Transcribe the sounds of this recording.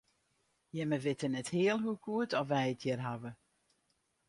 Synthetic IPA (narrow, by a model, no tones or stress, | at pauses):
jɛməʋɪtənɛthɪəlˠɦukʰuətɔfʋɛjətʰjɛrɦavə